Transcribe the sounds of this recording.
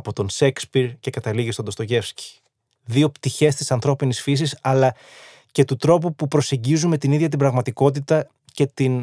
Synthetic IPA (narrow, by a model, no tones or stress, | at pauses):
po̞t̪o̞nsekspiɾce̞kɐt̪ɐliɣist̪od̪ost̪o̞ʝe̞fsci̥ | ðio̞pt̪içe̞st̪isɐnθɾo̞pinisfis̬isɐlɐ | ce̞t̪ut̪ɾo̞pupupɾo̞se̞ɲɟizumme̞t̪iniðʝɐt̪ibɾɐɣmɐt̪iko̞t̪̬it̪ɐ | ce̞t̪in